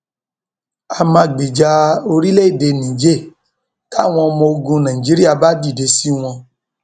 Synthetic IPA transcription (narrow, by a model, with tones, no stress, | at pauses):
a˨mã˧˦˨ɡ͡bi˨d͡ʒa˧o˧ɾi˦le˦i˦˨de˧˨nĩ˨d͡ʒe˦˨ | ka˦˨w̃ɔ̃˧ɔ˧mɔ̃˧o˧ɡũ˧nã˨ĩ˨d͡ʒi˨˦ɾi˦a˧˨ba˦di˦˨de˨˧˦si˦w̃ɔ̃˧